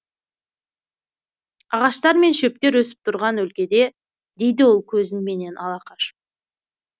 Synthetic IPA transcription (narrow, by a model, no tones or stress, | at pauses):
ɑʁɑʃt̪ɑɾme̞nʃɵp̚t̪e̞ɾwɵsɪ̥p̚t̪ʰʊɾʁɑnwɵlkʲe̞d̪e̞ | d̪e̞jd̪ɪwo̞lˠkʲʰɵzɪnme̞ne̞nʔɑlˠɑqʰɑʃp̚